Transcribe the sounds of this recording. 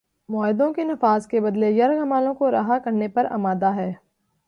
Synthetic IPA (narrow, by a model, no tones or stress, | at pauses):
mɔːɦɪd̪õkenɐfaːzkebɐd̪lejɐɾɡɐmaːlõkoɾa̰ɦakɐɾnepɐɾa̰ːmaːd̪aɦɛː